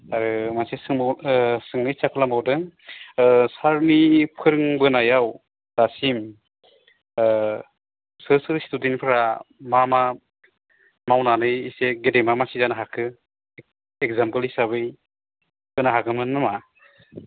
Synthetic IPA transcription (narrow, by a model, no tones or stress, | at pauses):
aɾɯmasesɯŋsɯŋnɯjt͡ʃakʰɯlamawdɯŋ | saɾnipʰɯɾɯŋbɯnajaw | d̥asim | sɯsɯɾstudinpʰɯɾamama | mawnanɯjiseɡedemamasizanaɦakʰɯ | ekzampɯlisaβɯj | kɯnaɦakɯmɯnːɯma